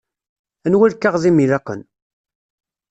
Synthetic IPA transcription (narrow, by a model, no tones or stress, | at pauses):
ænwælkːaʁðimilæqːə̰n